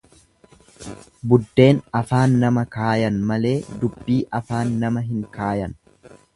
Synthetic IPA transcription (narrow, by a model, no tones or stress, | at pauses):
bʊd̪ːe̞ːnɐfaːnːɐmɐkaːjɐnmɐle̞ːd̪ʊbːiːʔɐfaːnːɐmɐɦɪŋkaːjɐn